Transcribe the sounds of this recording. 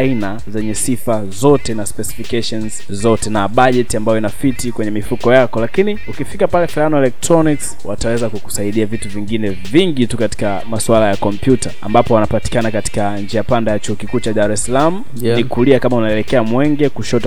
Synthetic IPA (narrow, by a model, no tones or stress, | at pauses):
ina | zɛɲɛsifa | zɔtɛnaspɛsi̥fikaʃɔnz | zɔtɛnaɓaʄɛtiambajɔinafitikwɛɲɛmifukɔjakɔlakiniukifikapalɛfilanɔɛlɛk̚tɾɔniks | watawɛzakuku̥saiɗiavituviŋɡinɛ | viŋɡitukati̥ka | maswalajakɔmpjutaa̰mbapɔwanapati̥kanakati̥kand͡ʒɛapandajat͡ʃuhɔkikuːt͡ʃaɗaɾɛsalamu | nnikuliakamaunaɛlɛkɛamwɛŋɡɛkuʃɔta